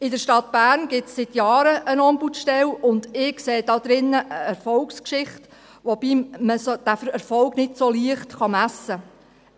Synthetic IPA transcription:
ɪdəɾʃtɑt̪b̥æːɾnɡɪsːɪt̪jɑːɾəʔənɔmbutʃtɛlʊnd̪ɪkseːd̥ɑd̪ɾɪnːəʔəɛɾfɔlkskʃɪχt | ʋob̥iːməsod̥æfɛɾfɔlknɪtsoliəχtχɑmæsːə

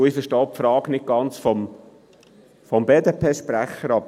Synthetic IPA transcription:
ɪfəʃtɔːpfɾɑːɡnɪk̚ɡ̥ɑnt͡sfɔm | fɔmbeːd̪epʰeːʃpɾæχəɾɑb

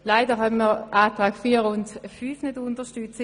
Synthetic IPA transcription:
laɪdəɦanmiːʁʔaːtʁaːɡ̥fiːɐʁʊntfyːfnødʊntəʃtyt͡sə

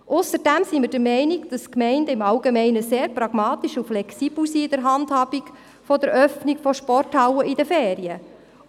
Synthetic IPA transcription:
ʔʊsəɾd̥æmsimɪɾd̥əɾmɛɪniɡd̥ɑskmɛɪndəɪmɑwɡemɛɪnəseːɾprɑɡ̥mɑːt̪iʃuflɛksiːb̥lsiːɪd̥əɾɦɑndhɑːb̥ik | fɔdəɾʔœfniɡfɔʃpɔrthɑwəʔidəfeːɾiə

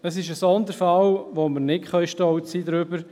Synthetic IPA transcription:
əsɪʃəsɔnd̪əɾfalʋoməɾnɪtχœjʃtɔwsiːd̪ɾʏbəɾ

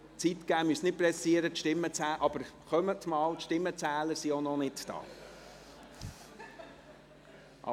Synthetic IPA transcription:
t͡sit̪kæːmysnɪt̚pɾɛsiəɾət̪ʃtɪmːət͡sæːʔɑb̥əɾχœmət̪mɑːlt̪ʃtɪmːət͡sæːləɾsionɔnɪtd̥ɑ̰ː | ʔɑ̰

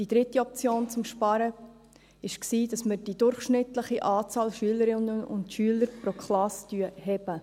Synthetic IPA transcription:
d̥id̥ɾɪtːiɔp̚t͡sjoːnt͡sʊmʃpɑɾə | ɪʃksiːd̥ɑsməɾd̥idʊɾχʃnɪtləχiʔaːt͡sɑːlʃyələɾɪnəʊ̰ntʃyələɾpɾokχlɑstyəhɛb̥ə

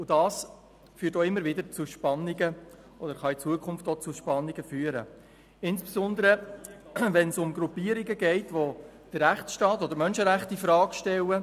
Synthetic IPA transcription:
ʊd̥ɑːs | fyːtoɪmːəɾʋɪdəɾt͡sʊʃpɑnːɪɡə | ɔd̪əɾχɑit͡suəkʰʊnftɔt͡sʊʃpɑnːɪɡəfyːəɾə̰ | ɪnsbesɔnd̪əɾə | ʋɛnsʊmɡɾupːiːəɾiɡəɡɛɪtʋo | d̥ərːæχsʃtɑːt̪ɔd̪əɾmœnʃəɾæχtifɾɑːɡʃtɛlə

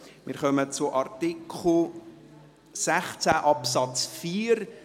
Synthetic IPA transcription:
mɪ̰ɾχœmət͡sʊʔɑɾt̪ikʰχl̩ | sæχt͡sæʔɑpsɑt͡sfiːɾ

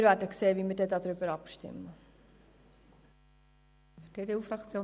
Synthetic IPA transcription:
ɾvæːɾdəkseːʋimɪɾdɛdɑd̪ɾʏbəɾɑpʃtɪ̰mːə | fd̥eːd̪eːuːfɾɑkt͡sjoː

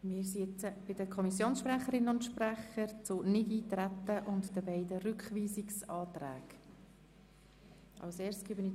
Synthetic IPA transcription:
mɪːɾsiɛt͡səb̥ɪdəkʰɔmisjoːnsʃpræχəɾɪnəʊntʃpræχəɾt͡sʊnɪdiːtɾætːəʔʊntd̥əbɛɪdərʏkχʋiːsɪksɑːt̪ræ̰ːɡ | ʔɑ̰ʊseːɾstɡ̥eːbəni

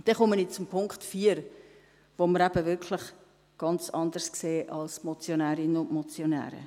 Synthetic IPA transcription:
d̥ɛχɔmənɪt͡sʊmpʰʊŋkχtfiːəɾ | ʋoməɾæb̥əvɪɾkʰlɪχ | ɡ̥ɑnt͡sɑnd̪əɾskseːʔɑlsmɔt͡sjonæːɾɪnəʊntmɔt͡sjonæ̰ːɾə̰

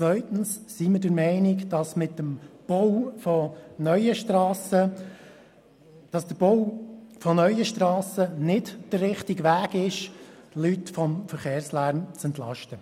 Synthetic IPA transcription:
t͡sʋœʏtn̩ssiməɾdəɾmɛɪnɪkd̥ɑsmɪt̪ːəmb̥owfɔnœʏəʃtɾɑːsə | d̥ɑsd̥əɾb̥owfɔnœʏəʃtɾɑːsənɪdd̥ərːɪχtiɡʋæːɡɪʃlytfɔmfəɾχeːɾslæːɾmt͡sɛnt̪lɑ̰ʃtə

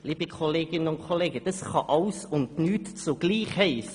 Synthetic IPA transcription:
liːbəkʰɔleːɡɪnənʊnkʰoleːɡəd̥ɑsχɑʔɑʊsʊndnyːtt͡soɡ̥liːχhɛɪs

